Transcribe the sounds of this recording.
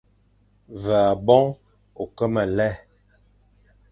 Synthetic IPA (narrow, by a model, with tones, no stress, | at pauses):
və˨a˨bɔ˦ŋ | o˨kə˦mə˨lɛ˦˨